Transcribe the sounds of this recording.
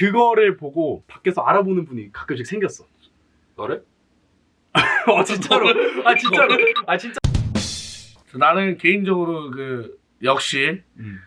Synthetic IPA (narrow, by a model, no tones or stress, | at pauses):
kɯɡʌɾɯɭpoɡopak͈e̞sʰʌaɾabonɯnbuɲikḁk͈ɯpɕʰik̚sʰeŋɡjʌs͈ʌ | nʌɾe | ʌt͡ɕint͡ɕ͈aɾoat͡ɕint͡ɕ͈aɾat͡ɕint͡ɕ͈ | ʌnanɯnke̞ind͡ʑʌɡɯɾokɯ | jʌk̚ɕ͈i